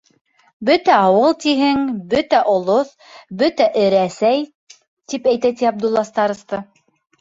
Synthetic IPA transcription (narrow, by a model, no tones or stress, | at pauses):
bɵt̪æɑwɤlˠt̪iɦɘŋbɵt̪æʔŏlˠoθ | bɵt̪æʔɘ̆ɾæsæj | t̪ipæjt̪æt̪iɑb̚d̪ulˠːɑst̪ɑɾɤ̆st̪ɤ